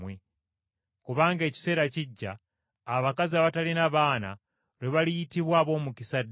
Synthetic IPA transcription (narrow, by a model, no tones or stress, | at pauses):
we | kuβaːŋɡe̞ːci̥se̞ːɾaciɟːaː | βakaziaβatalinaβaːna̰ | ɾweβalijitiβwaːβo̞ːmukisad